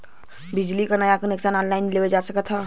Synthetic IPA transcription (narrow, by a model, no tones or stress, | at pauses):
bɪd͡ʒlikanəjakəneksaːnɔːnlaːɪnlewed͡ʒaːsəkət̪ʰːa